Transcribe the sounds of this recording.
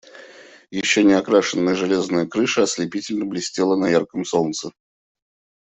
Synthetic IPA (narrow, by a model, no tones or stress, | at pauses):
jɪɕːonʲɪɐkɾaʂɨnːəjəʐɨlʲe̞znəjəkɾɨʂəɐslʲɪpʲitʲɪlʲnəblʲɪsʲtʲelˠənɐjarkəmsolt̪sə